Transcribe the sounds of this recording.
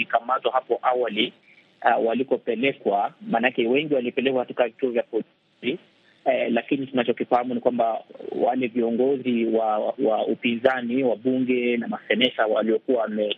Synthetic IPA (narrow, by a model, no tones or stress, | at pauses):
ikamatwahapɔʔawali | walikɔpɛlɛkwamaːnaakɛwɛŋɡiwalipɛlɛkwahatukavituɔvjapɔi | i | lakinitunat͡ʃɔkifahamunikwambawalɛviɔŋɡɔziwawaupinzaniwaɓuŋɡɛnamasɛnɛʃawa̰liɔkuaamɛ